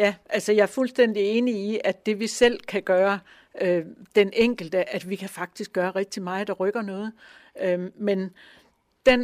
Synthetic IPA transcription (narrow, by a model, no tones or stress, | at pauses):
jæʔælsəjɑ̈æɐfulsd̥en̰d̥ie̝ːniiʔæ̥d̥e̝ʋisel̰kʰæɡ̥ɶːɐ | ød̥enʔeŋ̰ɡ̥l̩d̥əʔæd̥ʋikʰæfɑ̈ɡ̥̚d̥isɡ̥ɶːɐʁɛɡ̥̚d̥imɑ̈ːɪd̥ɑ̈ʁœɡ̥ɐnɔ̽ːð̞̩ˠømen | d̥en